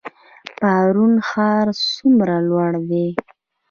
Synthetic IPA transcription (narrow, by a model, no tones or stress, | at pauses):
paɾunxɑɾsumɾalwaɽd̪e